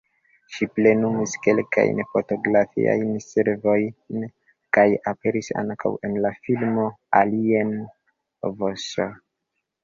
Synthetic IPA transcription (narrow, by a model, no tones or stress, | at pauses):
ʃiple̞numiske̞lka̰jnfoto̞ɡɾafḭa̰jnseɾvo̞jn | kajape̞ɾisa̰ŋkʰa̰we̞nlafilmo̞alien | voso